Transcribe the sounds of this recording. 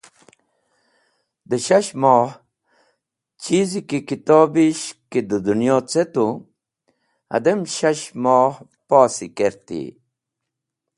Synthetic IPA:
d̪əɕaɕmɔːh | t͡ɕizikikit̪oːbiɕkid̪əd̪unjoːt͡set̪u | ɐ̰d̪emɕɐɕmɑːh | paːsikeɾt̪ḭ

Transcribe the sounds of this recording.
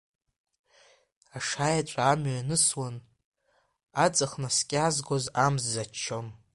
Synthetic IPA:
aʂajat͡ʃʷʼaːmɥanɨswan | at͡sʼaχnaskʲʼazɡozamzːat͡ʃʰːom

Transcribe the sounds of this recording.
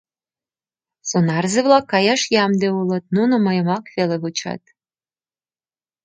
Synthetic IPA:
sonɑrzeβlɑkːɑjɑʃjɑmd̪eulɤ̆t̪̚nunomɑjəmɑkveleβut͡ɕɑ̰t̪̚

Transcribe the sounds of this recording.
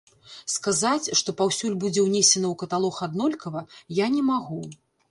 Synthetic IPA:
skazat͡sʲʂt̪ɔpawsʲulʲbud͡zʲɛwnʲesʲɐnɐwkɐt̪alˠɔxad̪nɔlʲkɐvɐjanʲɛmaɣu

